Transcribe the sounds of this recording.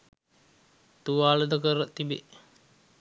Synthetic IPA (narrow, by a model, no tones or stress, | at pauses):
t̪uʋaːləd̪əkəɾət̪ibḛ